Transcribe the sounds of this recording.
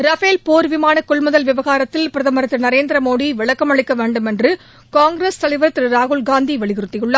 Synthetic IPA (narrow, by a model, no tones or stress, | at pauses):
ɾɐfeːlpoːɾʋɪmaːnɐkːɔɭmʊðɐlʋɪʋɐɣaːɾɐt̪ːɪlpɪɾɐðɐmɐɾɐt̪ːɪnɐɾeːnd̪ɪɾɐmoːɽiʋɪɭɐkːɐmɐɭɪkːɐʋeːɳɖɯmɛndrɯ | kaːŋɡɾeːst̪ɐlɐɪʋɐɾɐt̪ːɪɾɾaːɣʊɭɡaːnd̪iʋɐɭɪɣɪɾɯt̪ːɪjɯɭːɐ